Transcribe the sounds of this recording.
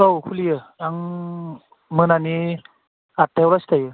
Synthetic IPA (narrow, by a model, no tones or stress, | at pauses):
owkʰulijɯaŋ | mɯnani | at̪ʰːewɾast̪ajɯ